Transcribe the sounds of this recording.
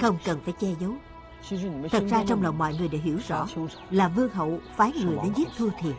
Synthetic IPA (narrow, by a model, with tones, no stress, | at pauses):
xə˧wŋ͡mkə˨˩nfaː˧˩jt͡ɕɛ˧zə˨˦w | t̪ʰə˨˩t̚zaː˧t͡ɕɔ˧wŋ͡mlɔ̰˨˩wŋ͡mmɔ̰˧˨jŋɨ˨˩əjɗḛ˧˥ɦḭ˧˩əwzɔ̰˧˥ | laː˨˩vɨ˧əŋɦə̰˧˨wfaː˨˦jŋɨ˨˩əjɗe˨˦nzi˦˥t̚t̪ʰu˧t̪ʰḭ˨˩ən